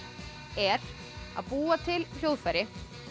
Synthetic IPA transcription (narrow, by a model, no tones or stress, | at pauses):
ɛɾ | a̰ðpuːat̪ʰɪll̥jowðfɛɾjɪ